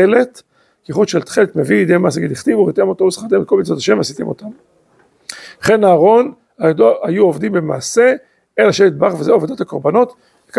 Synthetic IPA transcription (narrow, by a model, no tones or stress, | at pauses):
ele̞t̪ | kiχut̪ʃelt̪χelet̪mevid̪emaːseaɡid̪iχt̪ivuʁit̪emot̪omesχat̪emet̪̚komit͡sot̪aʃemveasit̪ḭmo̞̰t̪am | χe̞naːʁo̞n | aoajuovd̪imbe̞ma̰ːse̞ | elaʃet̪̚baχvezeoved̪ot̪ako̞ʁbano̞t̪ | veka